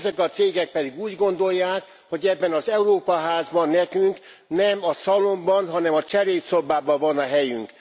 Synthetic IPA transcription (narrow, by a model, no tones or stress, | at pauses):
zɛkɒt̪seːɡɛk̚pɛd̪iɡuːɟɡo̞nd̪o̞jːaːk | ho̞ɟɛbːɛnɒzɛuɾoːpɒɦaːzbɒnːɛkyŋk | nɛmɒsɒlo̞mbɒnɦɒnɛmɒt͡ʃɛɾeːt̪sobaːbɒvɒnɒɦɛjy̰ŋk